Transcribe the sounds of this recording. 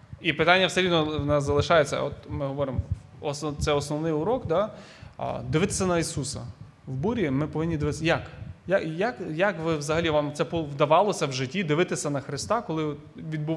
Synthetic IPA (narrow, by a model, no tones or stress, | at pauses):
ipɪt̪ɑnʲːɐwseɾʲid̪nɔnɛzɐlˠɪʃɑjet͡sʲːɐ̰ɔt̪mɪɦɔʋɔɾɪmɔ | ɔst̪sɛɔsnɔʋnɪjʊɾɔkd̪ɑ̰ | d̪ɪʋɪt̪e̥sʲɐnɐisusɐ̰ | wbuɾʲimɪpɔʋɪnʲːid̪ɪʋɪt̪jɐkjajɐkjɐkʋɪʋzɐɦɐlʲiʋɑmt̪ɛpɔʋd̪ɐʋɑlˠɔsʲɐwʒɪtʲːid̪ɪʋɪt̪ɪsʲɐnɐxɾɪst̪ɑkɔlˠɪ | ʋʲid̪̚bʊ